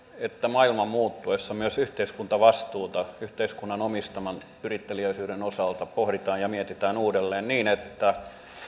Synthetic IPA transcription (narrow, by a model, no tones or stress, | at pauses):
et̪ːæmɑilmɑmmuːt̪ːuesːɑmyøsyht̪eiskunt̪ɑʋɑst̪uːt̪ɑyht̪eiskunːɑnomist̪ɑmɑn | yrit̪ːeliøisyːɾenosɑlt̪ɑpohɾit̪ɑːjjɑmiet̪it̪æːnuːdelːeːnniːnet̪ːæ